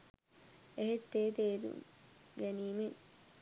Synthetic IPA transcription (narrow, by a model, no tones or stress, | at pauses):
eɦet̪ːeːt̪eːɾṵŋɡæniːme